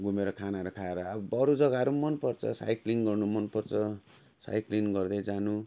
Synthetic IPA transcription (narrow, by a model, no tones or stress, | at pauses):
ɡumeɾʌkʰanaʌɾukʰaeɾʌːbʌbʌɾud͡zʌɡaʌɾumʌnpʌrt͡sʰʌ̰sa̰jkliŋɡʌrnumʌnpʌrt͡sʰʌ | sa̰jklinɡʌrd̪ʌjd͡zanu